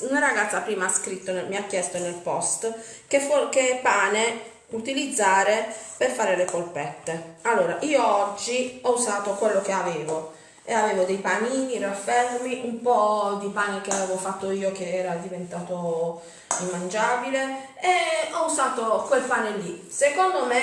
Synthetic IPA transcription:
unaraɡat̪sːapɾiːmaaskɾit̪ːonmiakːjɛst̪onelpɔst̪ | kefokepaːne | ut̪ilid̪zːaːɾeperfaːɾelekolpɛt̪ːealːoːɾaʔiːoɔd͡ʒːiɔuzaːt̪okwelːokeaveːvo | eaveːvod̪ejpaniːnirafːɛrmmiʔumpɔd̪ipaːnek̟eaveːvofat̪ːoiːokeɛːɾad̪ivent̪aːt̪o | imːand͡ʒaːbile | eɔuzaːt̪okwelpaːnelːisekond̪ome

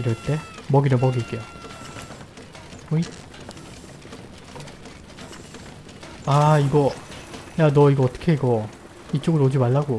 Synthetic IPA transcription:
ɾʌɭt͈e̞mʌɡinɯmʌɡiːk͈ejo | oi | aiɡʌjanʌiɡʌːt͈ʌ̥kʰeiɡʌ | it͡ɕ͈oɡɯɾod͡ʑimaɭːaɡo

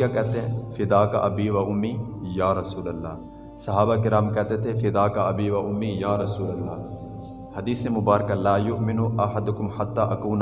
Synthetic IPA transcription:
akɛːt̪efɪd̪aːka̰ʔɐbiːʋɐʔʊmːiːjaːɾɐsuːlɐlːa̰ː | sɐɦaːbaːkɪɾaːmkɛt̪et̪ʰefɪd̪aːkaʔɐbiːʋɐʔʊmːijaːɾɐsuːlɐlːaː | hɐd̪iːsemʊbaːɾɐkalaːjʊʔmɪnuʔɐħɐd̪ʊkʊmħat̪ːaːʔɐkuːn

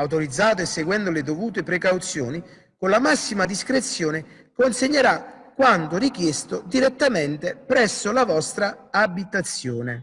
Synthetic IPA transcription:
awt̪̬oɾid̪zːaːt̪̬ʊesːeɡwɛnd̪ʊlɪd̪ovuːt̪̬epɾekawt̪sjɔ̰ːni | konlamasːimad̪iskɾet̪sːjɔːnɪ | konseɲːeɾakːwant̪ʊrik̟jest̪ʊd̪iɾet̪ːament̪epɾɛsːʊlavɔst̪ɾaːbit̪at̪sːjɔːne

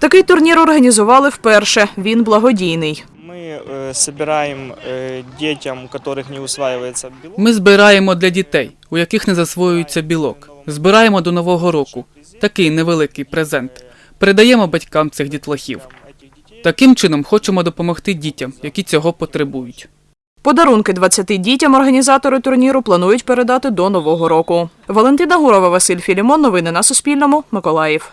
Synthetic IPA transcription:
t̪ɐkɪjt̪ʊrnʲiɾɔrɦɐnʲizʊʋɑlˠɪwpɛrʃɛʋʲinblˠɐɦɔdʲijnɪj | mɪsɐbʲɪɾajemdʲetʲɐmkɐt̪ɔɾɪxnʲeʊsʋajɪʋɐjet͡sʲːɐmɪzbɪɾɑjemɔd̪lʲɐdʲit̪ɛj | ujɐkɪxnezɐsʋɔjʊjet͡sʲːɐbʲilˠɔk | zbɪɾɑjemɔd̪ɔnɔʋɔɦɔɾɔkʊ | t̪ɐkɪjneʋelˠɪkɪjpɾezɛnt̪ | peɾed̪ɐjɛmɔbɐtʲkɑmt̪sɪxdʲit̪lˠɐxʲḭw | t̪ɐkɪmt͡ʃɪnɔmxɔt͡ʃemɔd̪ɔpɔmɔxt̪ɪdʲitʲɐmjɐkʲit͡sʲɔɦɔpɔt̪ɾebujʊtʲ | pɔd̪ɐɾunkɪd̪ʋɐt͡sʲːɐt̪ɪdʲitʲɐmɔrɦɐnʲizɑt̪ɔɾʊt̪ʊrnʲiɾʊplˠɐnujʊtʲpeɾe̞d̪ɑt̪ɪd̪ɔnɔʋɔɦɔɾɔkʊ | ʋɔlˠent̪ɪnɐɦuɾɔʋɐʋɐsɪlʲfʲilʲɪmɔnːɔʋɪnɪnɐsʊsʲpʲilʲnɔmʊmɪkɔlˠɑjiw

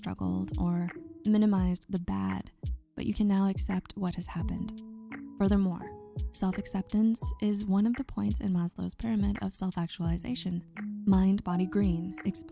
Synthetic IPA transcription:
stɹ̥ʌ̰ɡl̩ˠdə˞mɪ̃nɨmaɪzðɨbæ̰d̥b̥ʌ̰t͡ʃɨkʰɨ̃nːaʊɨksɛp̚t̚wʌt̚hɨz̥hæpɨ̃nd̥fɜ˞ðə˞mɔ̰ɹsɛlˠfɨksɛp̚tɨ̃nsʔɪzwʌ̃nʌvðɨpʰɔ̃ɪ̃ntsɨ̰̃nmɑzlo̰ʊz̥pʰɪɹɨmɪɾʌ̰v̥sɛlˠfæk̚t͡ʃul̩ˠɨzḛɪʃɨ̃nmãɪ̃nbɑɾiɡɹĩnɨks

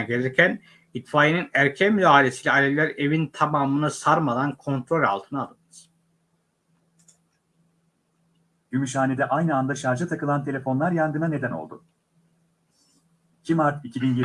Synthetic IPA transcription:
nɟe̞lʲiɾcʰæn | it̪faːjinɯnæɾcʰænmyd̪aːɦilʲe̞siːlʲɛalʲelʲːæɾe̞vint̪ʰamaːmɯnɯsaɾmad̪ankʰo̞nt̪ɾo̞lʲa̰lˠt̪ʰɯnaːd̪ˠɯɯz̥ | ɟymyʃ̬aːned̪ɛʔajnɯand̪aʃaɾd͡ʒat̪ʰakɯlˠant̪ʰe̞lʲe̞fo̞nlˠaɾjand̪ɯnane̞d̪æno̞̰lˠd̪ʊ̰ | icʰimaɾt̪icibinje

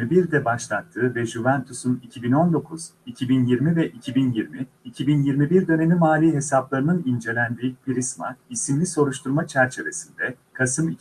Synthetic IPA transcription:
ɾbiɾd̪ɛbaʃlˠat̪ʰːɯːvɛʒuvænt̪ʰusunicʰibino̞nd̪o̞kʰuz̥ | icʰibinjiɾmivɛʔicʰibinjiɾmi | icʰibinjiɾmibiɾd̪ø̞ne̞nimaːlʲiːɦe̞saplˠaɾɯnɯnind͡ʒe̞lʲænd̪iːpiɾisma̰isimlʲiso̞ɾuʃt̪ʰuɾmat͡ʃʰæɾt͡ʃʰe̞vesind̪ɛkʰasɯmi

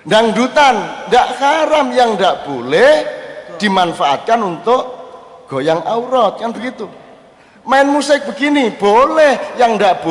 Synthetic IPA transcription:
ndaŋɳdut̪anɳdaʔkaɾamjaŋɳdaʔb̥olɛhd̪̥i̤manfaʔa̰t̪̚kanunt̪ʊʔ | ɡ̥o̤jaŋauɾɔt̪̚kanbəɡit̪u | maɪnmusɪk̚b̥ə̤ɡinib̥olɛhjaŋɳdaʔb̥o

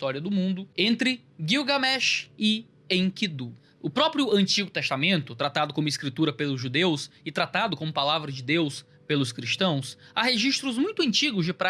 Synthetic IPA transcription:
t̪ɔɾiɐd̪ʊmũnd̪ʊẽnt̪ɾɪ | ɡiwɡamɛʃɪ | ẽj̃kid̪u | ʊpɾɔpɾjʊɐ̃nt͡ʃiɡʊt̪est̪amẽnt̪ʊt̪ɾat̪ad̪ʊkõmʊɪskɾit̪uɾɐpelʊzʒud̪ewsɪt̪ɾat̪ad̪ʊkõmʊpalavɾɐd͡ʒɪd̪ews | pelʊskɾist̪ɐ̃w̃saɦeʒiʃt̪ɾʊzmũj̃t̪ʊɐ̃nt͡ʃiɡʊzd͡ʒɪpɾa

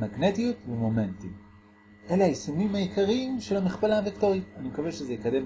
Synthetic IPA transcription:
maɡne̞tijutvemo̞me̞ntim | ʔe̞leajesumimhajikaʁimʃelamiχpalavektoʁitanimekavelʃezejikade̞m

